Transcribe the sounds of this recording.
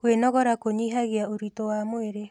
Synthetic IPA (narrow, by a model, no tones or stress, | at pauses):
wenɔɣɔɾakoɲiɦaɣeaoɾitowamoeɾe